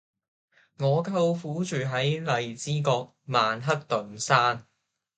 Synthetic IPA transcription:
ŋɔː˨˧kʰɐ˧wfuː˨˥t͡ʃyː˨ɦɐ˨˥jlɐ˨jt͡siː˥kɔː˧k̚maː˨nɦɐ˥k̚t̪ɵ˨nsaː˥n

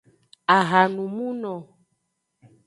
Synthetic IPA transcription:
a˨ɣa˨nũ˨mũ˦nɔ̃˨

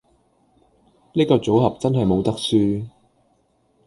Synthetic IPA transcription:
niː˥kɔː˧t͡so˨˥wɦɐ˨p̚t͡sɐ˥nɦɐ˨jmo˨˧wt̪ɐ˥k̚syː˧

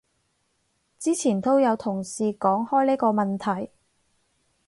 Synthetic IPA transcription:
t͡siː˥t͡sʰiː˨˩nt̪ʰo˥wjɐ˨˧wt̪ʰʊ˨˩ŋsiː˨kɔː˨˥ŋhɔː˥jliː˥kɔː˧mɐ˨nt̪ʰɐ˨˩j

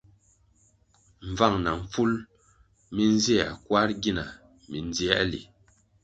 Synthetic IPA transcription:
ɱ˨va˦˨ŋna˨ɱ̩˨fu˦l | mi˦n˦zi˦a̰˨kwa˦ɾɡi˦na˨ | mi˨n˦d͡zi˦ɛ˦ʔlḭ˨

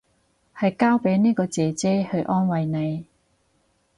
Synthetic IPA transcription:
hɐ˨jkaː˥wpe˨˥jniː˥kɔː˧t͡sɛː˨˩t͡sɛː˥hɵ˧ɥʔɔː˥nwɐ˨jne˨˧j

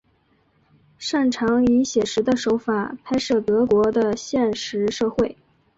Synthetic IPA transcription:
ʂa˥˩nʈ͡ʂʰɑ˧˥ŋi˧˥ɕjɛ˨˩ʂɻ̩˧˥d̪ə˧ʂo˧˥ʊfa˨˩pʰa˥ɪʂɤ˥˩t̪ɤ˧˥kwɔ˧˥d̪ə˧ɕjɛ˥˧nʂɻ̩˧˥ʂɤ˥˧xwe˥˩ɪ

